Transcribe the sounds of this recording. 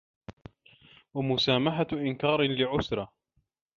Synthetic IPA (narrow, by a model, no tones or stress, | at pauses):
wamʊsaːmaħaʔɪnkɑːɾˤlɪʕʊsɾˤɑ